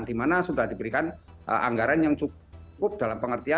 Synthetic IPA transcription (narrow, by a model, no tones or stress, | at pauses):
ŋd̥imanasudahdibəɾikan̰ | ʔa̰ŋɡaɾanjaŋt͡ʃu | kʊp̚dalampəŋərt̪ia